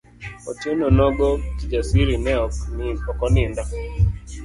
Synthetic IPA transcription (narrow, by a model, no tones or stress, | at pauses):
ɔtonɔnɔɡɔkid͡ʒasiɾinɛɔɔkɔnɪndɔ